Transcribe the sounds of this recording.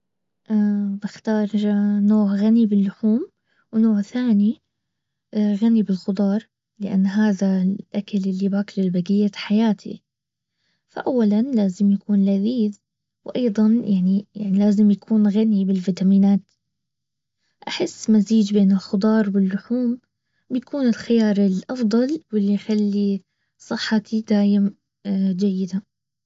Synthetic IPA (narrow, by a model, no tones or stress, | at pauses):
ʔabɪxt̪ɑːɾˤnoːʕɣanibɪlːʊħuːm | wnoːʕθaːni | ɣanibɪlxʊd̪ˤɑːɾˤ | lɪʔa̰nːɦaːðaʔakalʔɪlːibaːklɪlbaɡɪjːat̪ħajaːt̪ʰḭ | fa̰ʔawːalanlaːzɪmjakuːnlaðiːð | wʔɑjðˤɑnjʔaʕnijaʕnilaːzɪmjakʰuːnɣanibɪlviːt̪amiːnaːt̪ | ʔaħɪsːmaziːd͡ʒbeːnɪlxʊd̪ˤɑːɾˤwɪlːʊħuːm | bjakʰuːnɪlxɪjɑːɾˤɪlʔɑfd̪ˤɑlwɪlːijxalːi | sˤɨħːɑt̪ʰid̪aːʔɪm | d͡ʒajːɪd̪a